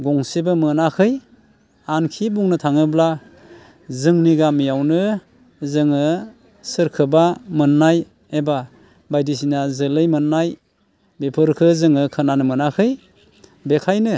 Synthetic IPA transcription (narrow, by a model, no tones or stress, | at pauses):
ɡɔŋsibɯmɯnakʰɯj | ankʰibuŋnɯtʰaŋɯbla | zɯŋniɡamijawnɯ | zɯŋɯ | sɯɾkʰɯbamɯnːaj | eba | bajdis̬inazɯlɯjmɯnːaj | bepʰɯɾkʰɯzɯŋɯkʰɯnanɯmɯnakʰɯj | bekʰajnɯ